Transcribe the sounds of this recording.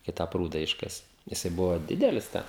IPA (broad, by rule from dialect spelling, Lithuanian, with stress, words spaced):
kɐɪ ˈtɑː ˈpruːdɐ ˈɪʃkɐsʲɪ jɪˈsɐɪ ˈbʊʋoː ˈdʲɪdʲɛlʲɪs ˈtʲɛn